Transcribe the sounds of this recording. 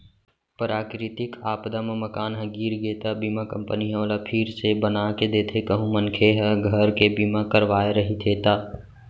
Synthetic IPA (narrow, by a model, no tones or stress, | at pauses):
pɾaːkɾɪt̪ɪkaːpd̪ameməkaːnɦɛ̃ɡiːɾɡeːt̪abimakə̃mpəniɦɛ̃lapʰɪɾsebənaːked̪eːt̪ʰekəɦũmənkʰeɦɛɡʱəɾkebimakəɾʋaːeɾəɦit̪ʰeːt̪aː